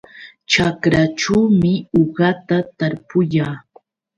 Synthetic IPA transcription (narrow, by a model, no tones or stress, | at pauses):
t͡ʃakɾaʈ͡ʂawmɪoɢɑt̪at̪aɾpʊjaː